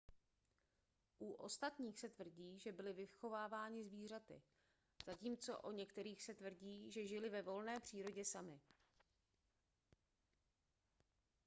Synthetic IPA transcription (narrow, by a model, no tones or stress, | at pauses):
ʔuʔo̞̰st̪at̪ɲiːxsɛt̪vr̩ɟiːʒɛbɪlɪvɪxo̞vaːvaːɲɪzviːr̝at̪ɪ̰ | z̥aciːmt͡so̞ʔoɲɛkt̪ɛɾiːxsɛt̪vr̩ɟiːʒɛʒɪlɪvɛvo̞lnɛːpr̥iːɾo̞ɟɛsamɪ